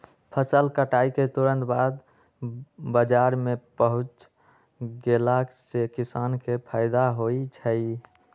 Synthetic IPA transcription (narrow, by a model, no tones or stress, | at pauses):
pʰəsəlkəʈaiket̪uɾə̃nt̪bad̪ | bəd͡ʒaɾmepəɦut͡ʃ | ɡelaksekisankepʰaɪd̪aɦoit͡ʃʰə